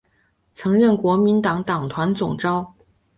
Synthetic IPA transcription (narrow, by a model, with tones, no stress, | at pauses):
t͡sʰɤ˧˥ŋɻə˥˩nkwɔ˧˥mi˧˥nt̪ɑ˨˩ŋt̪ɑ˨˩ŋt̪ʰwa˧˥nt͡sʊ˨˩ŋʈ͡ʂɑ˥ʊ